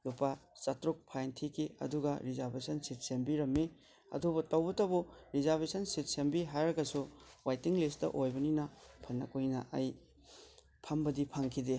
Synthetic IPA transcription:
lupasɐtɾuk̚pʰajntʰikʰiɐ̰duɡɐɾizɐɾbesɐnsit̚sembiɾɐmːi | ɐ̰dubɐtɐwbɐtɐbuɾizaɾbesɐnsit̚sembiɦajɾɐɡɐsuwajtiŋlistɐ̰ʔojbɐninɐpʰɐnːɐ̰kojnɐ̰ʔɐj | pʰambɐdipʰaŋkʰide

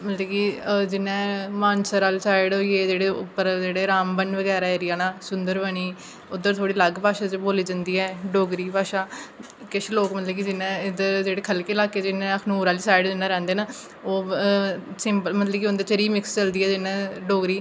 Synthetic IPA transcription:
mət̪ləbkiːd͡ʒɪnːɛ̃ːmaːnsəɾaːlsaːɪɖɦoːieːd͡ʒeːɽeːʊpːəɾd͡ʒeːɽeːɾaːmbənʋəɡɛːɾaːeɾɪjaːnaːsʊ̃nd̪əɾʋəɽ̃iː | ʊd̪əɾt̪ʰoːɽiːləɡpaːʃaːt͡ʃboːliːd͡ʒənd̪iːɛːɖoːɡɾiːpaːʃaː | kɪʃloːkmət̪ləbkid͡ʒɪnẽːd̪əɾd͡ʒeːɽeːkʰəlkeːlaːked͡ʒɪnːẽːəkʰnuːɾaːliːsaːɪɖd͡ʒɪnːãːɾɛ̃ːnd̪eːnaː | oː | sɪmpəlmət̪ləbkiʊnd̪eːt͡ʃəɾiːmɪkst͡ʃəld̪iːɛːd͡ʒɪnːɛ̃ːɖoːɡɾiː

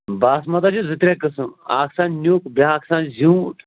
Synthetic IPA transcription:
baːsmɐt̪ad͡ʒuzɨt̪ɾʲekəsũa̰ːksãːnnʲjuːkbaːksãːnzʲũːʈ

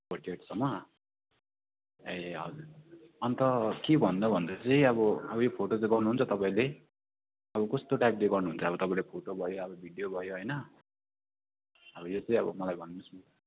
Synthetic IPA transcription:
pʌʈieʈsʌmːʌ | ejɦʌd͡zur | ʌnt̪ʌkebʱʌnd̪ʌbʱʌnd̪ʌt͡sʌĩʌbʌʌbʌjopʰoʈot͡sʌĩɡʌrnuɦunt͡sʰʌt̪ʌpãĩle | ʌbʌkʌst̪oʈajp̚leɡʌrnuɦunt͡sʰʌːbʌt̪ʌpaĩlepʰoʈobʱʌjoʌbʌbʱiɖijobʱʌjoɦʌjnʌ | ʌbʌjot͡sʌĩʌbʌ̰mʌlajbʱʌnnusu

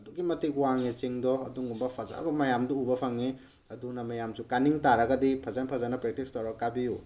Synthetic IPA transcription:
ɐduɡimɐtikwaŋet͡ʃiŋdɔɐduŋɡumbɐpʰɐza̰bɐmɐjamdɔubɐpʰɐŋi | ɐdunɐmɐjamsukaniŋtaɾɐɡɐdipʰɐzanpʰɐzanɐpɾek̚tistawɾakabiju

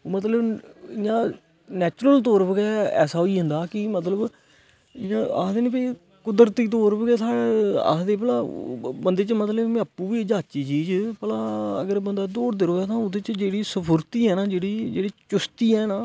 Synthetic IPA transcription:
mət̪ləbɪjãː | nɛːt͡ʃɾəlt̪oːɾbəɡɛːɛ̰ːsaːɦoiːɦʊnd̪aːkɪmət̪ləb | ɪãːa̰ːd̪eːnĩːpəiː | kʊd̪əɾt̪iːt̪̬oːɾbəɡɛːt̪ʰaːa̰ːd̪eːp̬əlaːbənd̪eːt͡ʃmət̪ləbmaːpuːʋiːd͡ʒaːt͡ʃiːd͡ʒiːd͡ʒpəlaːə̰ɡəɾbənd̪aːd̪oːɾd̪ɪɾoːaːt̪ãːʊd̪eːt͡ʃd͡ʒeːɽiːsəpʰʊɾt̪iːɛːnaːd͡ʒeːɽiːd͡ʒḛːɽiːt͡ʃʊst̪iːɛːnaː

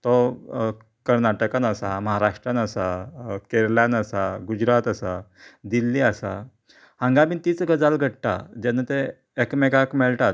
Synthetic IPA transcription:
t̪ɔ | kəɾnaʈəkanəsaməɦaɾaʂʈɾanəsakeɾljanəsaɡud͡ʑɾat̪əsad̪ilːiasa̰ | hãŋɡabiːnt̪it͡sɡəd͡zalɡʱəɽʈ̪a̰d͡ʑenət̪eː | kmekakmɛɭʈat̪

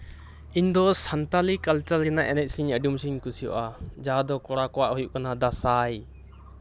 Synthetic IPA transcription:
iɲd̪ɔsant̪alikalt͡ʃalɾɛnaʔɛnɛc̪̚siɲəɖumsiɲkusijɔ̰ʔad͡ʒad̪ɔkɔɽakɔwaʔhujuʔkanad̪asaj

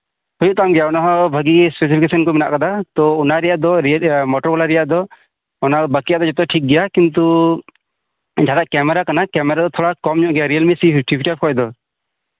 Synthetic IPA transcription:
hujuʔt̪amɡɛjaɔnaɦɔ̃bʱəɡispesipʰikesənkɔmɛna̰ʔkad̪at̪ɔunaɾɛjaʔd̪ɔɾmɔʈɔɾbɔlaɾɛjaʔd̪ɔ | ɔnabəkijaʔd̪ɔd͡ʒɔt̪ɛʈʰik̚ɡɛjakint̪̬u | d͡ʒad̪aʔkɛmɛɾakanakɛmɛɾad̪ɔt̪ʰɔɽakɔmɲũʔɡɛjaɾijalmisiʈʰipʰiʈap̚kɔɛd̪ɔ

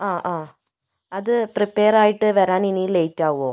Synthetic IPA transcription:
ãːʔãː | ɐðɯpɾɪpeːɾaːjɪʈːɯʋɐɾaːninileɪtːaːʋõː

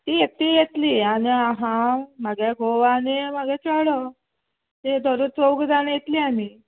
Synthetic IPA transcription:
t̪iːjet̪ːiːjet̪liːañiaɦãmaɡeɡʱoʋanemaɡɛt͡saɽə | t̪ed̪ʱəɾut͡sowɡd̪anjet̪liːamiː

